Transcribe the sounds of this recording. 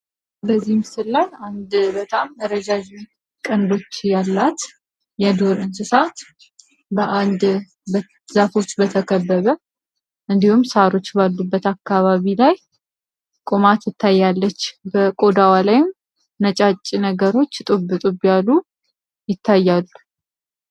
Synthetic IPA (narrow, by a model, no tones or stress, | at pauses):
bəzːihmsɨlːajand̪bət̪ʼamːəɾəd͡ʒad͡ʒi | kʼənd̪o̞t͡ʃːjalːat̪ | jɛd̪o̞ɾɨnsɨsat̪ | bəʔand̪ | bə | zafo̞t͡ʃːbət̪ʰəkʰəbːəβə | ʔɨnd̪ihumsaɾo̞t͡ʃːbalːubːət̪akːaβaβilaj | kʼomat̪ɨt̪ʰːajːalːət͡ʃːbəkʼo̞d̪awalajɪm | nət͡ʃʼat͡ʃʼːinəɡəɾo̞t͡ʃːt̪ʼɨbːɨt̪ʼɨbjalu | jɪt̪ʰːajːalːu̥